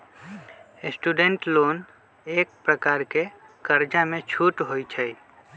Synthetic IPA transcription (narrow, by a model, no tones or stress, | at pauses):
sʈuɖeɳʈloːn | eːk̚pɾəkaːɾke | kəɾd͡ʒamẽt͡ʃʰuʈɦojt͡ʃʰəj